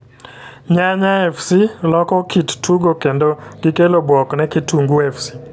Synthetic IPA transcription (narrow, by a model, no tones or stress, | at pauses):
ɲaɲaɛfsilɔkɔkittʰuɡokendoɡɪkelobwɔknɛkɪtuŋɡuɛfsi̥